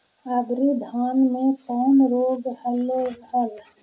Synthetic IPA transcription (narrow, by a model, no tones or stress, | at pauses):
aːd̪ɾid̪ʱaːnmẽkɔːnɾoːɡhəleɡhəl